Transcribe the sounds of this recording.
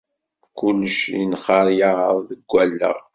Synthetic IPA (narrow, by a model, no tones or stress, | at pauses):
kulːəʃjinχɑɾˤjaʁəɾˤðəɡʷːælːə̰ʁ